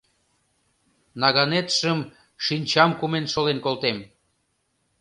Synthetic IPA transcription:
nɑɣɑnet̪ʃəm | ʃinʲt͡ɕɑmkumenʃolenkolˠt̪em

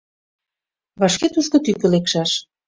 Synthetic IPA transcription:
βɑʃket̪uʃkŏt̪ykɘ̆lekʃɑʃ

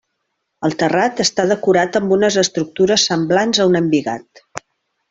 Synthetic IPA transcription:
əlˠt̪ərat̪əst̪að̞əkuɾat̪əmbunəzəst̪ɾuk̚t̪uɾəsəmblanzəunəmbiɣa̰t̪̚

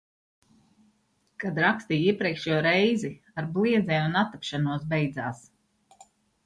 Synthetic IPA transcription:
kad̪ɾakst̪iːiɛpɾiɛkʃuɔɾɛjzi | aɾbliɛd̪zɛːmunat̪apʃanuɔs̬bɛjd̪zaːs

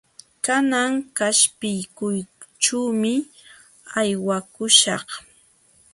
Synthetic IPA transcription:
kanaŋkaʃpɪjkʊjʈ͡ʂuːmɪ | ajwakʊʃɑχ

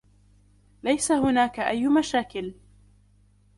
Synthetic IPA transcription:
lajsahʊnaːkaʔajːmaʃaːkɪl

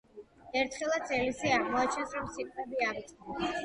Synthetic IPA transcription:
ɛɾt̪ʰχɛlˠat̪sʰɛlisiaʁmɔat͡ʃ̪ʰɛsɾɔmsit̪ʼvɛbiavit̪sʼɛ

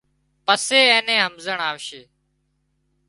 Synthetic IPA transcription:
pəseːẽːnẽːɦəmzəɳaːʋʃeː

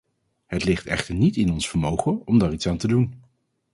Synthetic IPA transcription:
ɦətlɪχtɛ̰χtəɹnitɪnɔnsfəɹmowχəɔmdaːɹitsaːntədun

